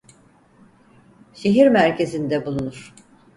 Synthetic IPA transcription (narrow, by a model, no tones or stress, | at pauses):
ʃe̞ɦiɾmæɾcʰe̞zind̪ɛbulˠunuɾ̥